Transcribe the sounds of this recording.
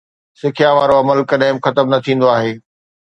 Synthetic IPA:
sɪkʰijãʋaːɾoɐməlkɐɗɦɪ̃mxɐt̪əmnɐt̪ʰĩːn̆d̪oaːɦeː

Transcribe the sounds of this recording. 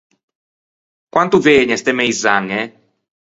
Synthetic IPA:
kwant̪uveːɲɛst̪ɛmejzaŋːe

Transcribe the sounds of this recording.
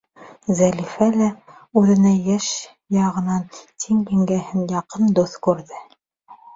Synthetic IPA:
zælifælæʉðɘ̆næjæʃ | jɑʁɤ̆nɑnt̪ʰiŋjĭŋɡæhɘnjɑqɤnd̪uθkʉɾðɘ

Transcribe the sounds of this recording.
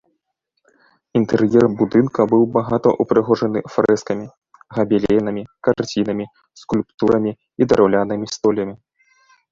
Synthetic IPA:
int̪ɛɾjɛrbud̪ɨnkɐbɨwbaɣat̪ɔ̰ʔupɾɨɣɔʐɐnɨfɾɛskɐmʲi | ɣɐbʲilʲɛjnɐmʲikart͡sʲin̪ɐmʲi | skulʲpt̪uɾɐmʲi | id̪ɐɾʔawlʲanɨmʲist̪ɔlʲɐmʲi

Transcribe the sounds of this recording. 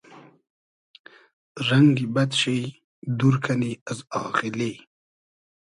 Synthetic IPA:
ɾaŋɡibad̪ɕej | d̪uɾkʰaniazɑːχɪle

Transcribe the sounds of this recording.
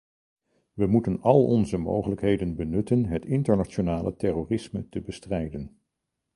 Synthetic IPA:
ʋəmutənɑlˠɔnzəmo̰wχələkɦejdənbənɵtənɦətɪntəɹnat͡ʃonaːlə̰tɛroːrɪsmətəbəstrɛjdən

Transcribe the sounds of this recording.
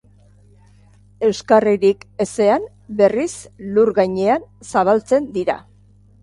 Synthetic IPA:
e̞wskariɾike̞se̞an | be̞risluɾɣajɲe̞ansaβ̞alt͡se̞nd̪iɾa̰

